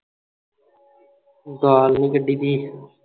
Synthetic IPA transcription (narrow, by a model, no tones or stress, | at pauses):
zaːlnikəɖiːd̪iː